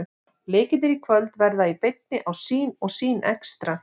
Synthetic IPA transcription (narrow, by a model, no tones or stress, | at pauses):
leːcɪnɪɾikʰvœlt̪vɛɾðaipɪjt̪̚nɪʔawsiːnɔɣsiːnɛ̰kst̪ɾa